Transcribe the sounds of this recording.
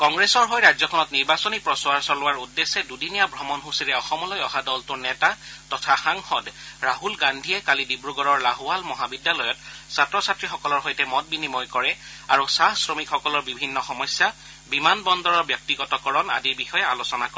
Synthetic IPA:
kɔŋɡɹesɔɹɦɔjɹajzɔkʰɔnɔtniɹbasɔnipɹɔswaɹsɔlʊwaɹudːesɛdudinijabʱɹɔmɔnɦusiɹɛɔxɔmɔlɔjɔɦadɔltʊɹnɛtaːɔtʰaxaŋxɔdɹaɦulɡandʱijɛkalidibɹuɡɔɹɔɹlaɦʊalmɔɦabidjalɔjɔt̚satɹɔsatɹixɔkɔlɔɹɦɔjtɛmɔt̚binimɔjkɔɹɛ | aɹusaɦsɹɔmikxɔkɔlɔɹbibʱinːɔxɔmɔjsja | bimanbɔndɔɹɔɹbjɔk̚tiɡɔtɔkɔɹɔna̰diɹbixɔjɛalosɔnakɔɛ

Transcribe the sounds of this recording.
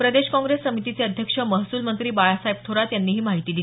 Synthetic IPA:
pɾəd̪eɕkɔ̃ŋɡɾessːəmit̪it͡seəd̪ʱjəkʂəməɦsuːlmənt̪ɾiːbajasaibt̪ʰoɾat̪janːiːɦiːmaɦit̪iːd̪i

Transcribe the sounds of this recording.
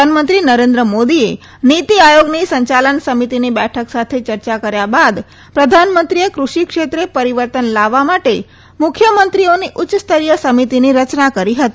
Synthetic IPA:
anmənt̪ɾinəɾend̪ɾəmod̪ie | nit̪iajoɡnisəɲt͡ʃalənsəmit̪inibɛʈʰəksat̪ʰet͡ʃəɾt͡ʃakəɾjabad̪ | pɾəd̪ʱanmənt̪ɾijekɾuʃikʂʃet̪ɾepəɾiʋəɾt̪ənlaʋːamaʈe | mʊkʰjəmənt̪ɾioniʔʊtːt͡ʃːst̪ʰəɾijəsəmit̪iniɾət͡ʃnakəɾiɦət̪i

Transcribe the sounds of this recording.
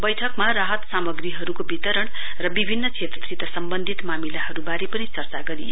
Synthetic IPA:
bʌjʈʰʌkmaraɦʌt̪samʌɡɾiɦʌɾukobit̪ʌɾʌɳ | rʌbibʱinːʌt͡sʰet̪et̪rit̪ʌsʌmbʌnd̪ʱit̪mamilaɦʌɾubaɾepʌnit͡sʌrt͡saɡʌɾij

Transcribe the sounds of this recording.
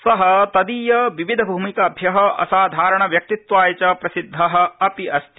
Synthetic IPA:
sɐɦɐt̪ɐd̪iːjɐʋiʋid̪ʱɐbʱuːmikɐːbʱjɐɦɐʔɐ̰saːd̪ʱaːɾɐɳɐʋjɐk̚t̪it̪ʋaːjɐt͡ʃɐpɾɐsid̪ʱːɐɦɐ̆ɐpiɐst̪ʰi

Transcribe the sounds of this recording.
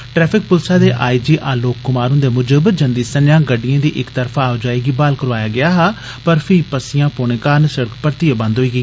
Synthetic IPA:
ʈɾɛːpʰɪk̚pʊlsaːd̪eːʔaːiːd͡ʒiːʔaːloːkːʊmaːɾɦʊ̃nd̪eːmʊd͡ʒəbd͡ʒə̃nd̪iːsənjãːɡəɖːijãːd̪iːʔɪkt̪əɾpʰaːd͡ʒaːeːɡiːbaːlkəɾʋaːjaːɡɪaːɦaː | pəɾpʰɪiːpəsɪjãːpoːɽ̃ẽːkaːɾnsəɽəkpəɾt̪iːeːbə̃nd̪ɦoːiːɡəiː

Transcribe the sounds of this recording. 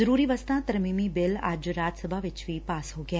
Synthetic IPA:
əɾuːɾiːʋəst̪ãt̪əɾmimibɪla̰ːd͡ʒɾaːd͡ʒsəbʱaʋɪt͡ʃʋipaːsɦoɡja

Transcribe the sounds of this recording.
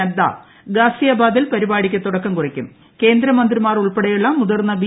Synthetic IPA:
ɐd̪ːa̰ː | ɡaːsijɐbaːd̪ilpɐɾibaːɽikʲːɨt̪uɽɐkːɐmkurɐkʲːum | ke̞ːnd̪ɾɐmɐnd̪rimaːruɭpeɽɐjuɭːɐmud̪ɐrnːɐbi

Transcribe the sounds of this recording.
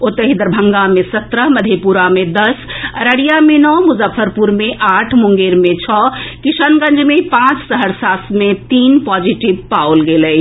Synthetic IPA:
ot̪əɦid̪əɾbʱəŋɡamesət̪ɾəɦməd̪ʱepuɾamed̪əsəɾəɽijamenɔmuzəfʰəɾpuɾmeʔaʈʰmuŋɡeɾmet͡ʃʰɔkisənɡə̃nd͡ʒmepãt͡ʃsəɦəɾsasmet̪inpɔd͡ʒiʈibpaolɡelə

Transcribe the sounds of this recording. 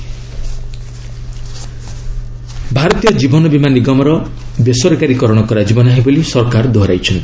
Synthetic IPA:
bʱaɾɔt̪ijɔd͡ʒibɔnɔbimaniɡɔmɔɾɔ | besɔɾkaɾikɔɾɔɽ̃ɔkɔɾad͡ʒibɔnaɦibolisɔɾkaɾd̪ʱɔɾajt͡ʃʰɔnt̪i

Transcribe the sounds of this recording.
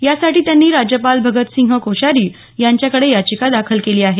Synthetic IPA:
jasaʈiːt̪janːiːɾad͡ʑjəpalbʱəɡət̪siŋɡʱɦəkoɕaɾiː | jaɲt͡ɕjakəɽejat͡ɕikad̪akʰəlkeliːaɦe

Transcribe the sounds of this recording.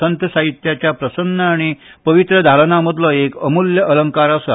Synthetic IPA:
ənt̪əsaɦit̪jat͡ɕjapɾəsənːəaɽ̃i | pəʋit̪ɾəd̪ʱaɭnaməd̪ləekəmuljəʔələŋkaɾasa

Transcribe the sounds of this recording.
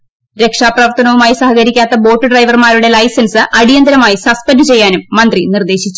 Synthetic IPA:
ɾe̞kʂaːprɐʋɐrt̪ʰɐnɐʋumaːjisɐhɐkɐɾikʲːaːt̪ːɐbo̞ːʈːɨɖrɐjʋɐrmaːɾuɽe̞lɐjsɐnsɨʔɐɽijɐnd̪ɐɾɐmaːjisɐspɐnɖɨt͡ɕe̞jːaːnumːɐnd̪rinird̪e̞ːɕit͡ɕːu

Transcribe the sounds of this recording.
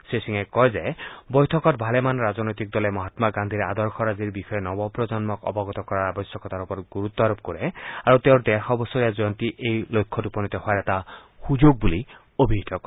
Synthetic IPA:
sesiŋekɔjzejbɔjtʰɔkɔtbʱalemanɾad͡ʒɔnɔjt̪ik̚d̪ɔlemɔɦat̪maɡand̪ʱiɾead̪ɔɾxʰɔɾad͡ziɾbixɔenɔbɔpɾɔd͡ʒɔnmɔkɔ̰bɔɡɔt̪ɔkɔɾaɾabɔsjɔkɔt̪aɾupɔɾɡuɾut̪ːɔaɾɔp̚koɾeaɾut̪eɾd̪exɔbɔsɔɾijad͡ʒɔjɔnt̪iʔejlojkʰːɔtupɔnit̪ɔhɔaɾɛta | hud͡ʒoɡ̚buli | obʱiɦit̪ʰɔkɔ

